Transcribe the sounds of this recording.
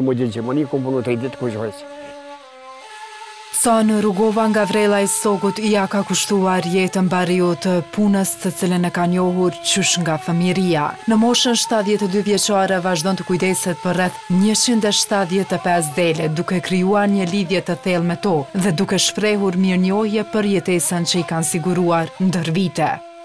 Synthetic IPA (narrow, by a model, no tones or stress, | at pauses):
mɔdɛd͡ʒɛmanikɔmpɔnut̪ɛd̪it̪ə̥kut͡ʃɛs | sanəɾuɡɔvaŋɡavɾɛlˠaɛsɔɡut̪iakakuʃt̪uaɾjɛt̪ənbaɾiut̪əpunəst̪ət͡silɛnəkanɔɦuɾt͡ɕyʃŋɡafəmiɾianəmɔʃənʃt̪at̪ðjɛt̪ɛd̪yvjɛt͡ʃaɾɛvaʒd̪ɔnt̪ə̥kujd̪ɛsɛt̪̚pərɛθɲət͡ɕind̪ɛʃt̪at̪ðjɛt̪ɛpɛs̬d̪ɛlɛd̪ukɛkɾijuaɾɲəliðjɛt̪əθɛlˠmɛt̪ɔðɛd̪ukɛʃpɾɛɦuɾməɾɲɔhjɛpəɾjɛt̪ɛsənt͡ɕəikansiɡuɾuaɾnd̪əɾvit̪ɛ